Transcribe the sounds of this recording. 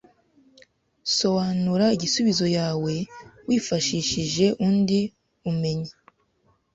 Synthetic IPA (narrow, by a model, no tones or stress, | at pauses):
so̞βaːnuɾaiɟisuβizo̞jaːwe̞wiːfaʃiːʃiʒe̞ʔuːndi | ume̞ɲi